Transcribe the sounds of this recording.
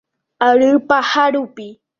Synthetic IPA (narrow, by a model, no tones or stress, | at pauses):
aɾɯpahaɾʊpɪ